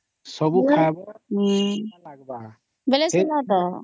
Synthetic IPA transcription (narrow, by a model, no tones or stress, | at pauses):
sʌbukʰabʌɦlaɡ̚ba | beleselat̪ʌ